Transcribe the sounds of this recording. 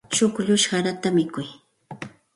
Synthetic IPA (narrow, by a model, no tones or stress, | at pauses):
t͡ʃʊkʎʊʃɢaɾat̪amɪkʊj